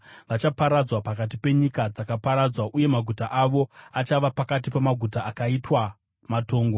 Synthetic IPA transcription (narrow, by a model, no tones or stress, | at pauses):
ʋat͡ʃapaɾad͡zwapakat̬ipe̞ɲikad͡zakapaɾad͡zwaʔuje̞maɡʱutaʔaʋo̞at͡ʃaʋapakat̬ipamaɡʱutaːkaitwa | mato̞ːŋɡo̞